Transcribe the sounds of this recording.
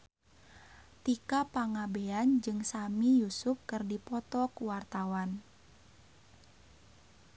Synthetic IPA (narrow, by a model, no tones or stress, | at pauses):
t̪ikapaŋabeand͡ʒɨŋsamijusʊp̚kɨrdipɔt̪ɔkuwart̪awan